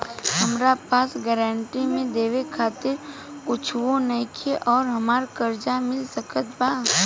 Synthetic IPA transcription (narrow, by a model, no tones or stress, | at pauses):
ɦəmɾapaːsɡɛɾəɳʈimẽd̪eːʋekʰaːt̪ɪɾ | kʊt͡ʃʰʋonəkʰeʔɔːɾɦɐmaːɾkəɾd͡ʒamɪlsəkət̪̚baː